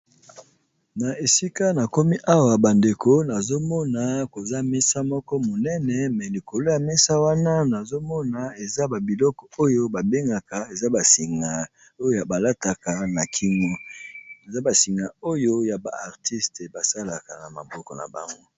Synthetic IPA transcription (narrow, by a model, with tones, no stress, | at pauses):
na˨e˨si˦ka˦na˨ko˦mi˦ʔa˦wa˨ba˨nde˨kʰo˦na˨zo˦mɔ˦na˨ko˨za˦mɛ˦sa˦mɔ˦kɔ˦mo˨nɛ˦nɛ˨mɛ˨li˨ko˨lo˦ja˨mɛ˦sa˦wa˦na˦na˨zo˦mɔ˦na˨e˨za˦ba˨bi˨lɔ˦kɔ˨o˦jo˦ba˨be˦ŋɡa˨ka˨e˨za˦ba˨si˨ŋɡa˨ | o˦jo˦ja˨ba˨la˦ta˨ka˨na˨kʰi˦ŋɔ˦e˨za˦ba˨si˨ŋɡa˨o˦jo˦ja˨ba̰˨a˨ʁti˦stba˨sa˦la˨ka̰˨na˨ma̰˨bɔ˦kɔ˨na̰˨ba̰˨ŋɡo˦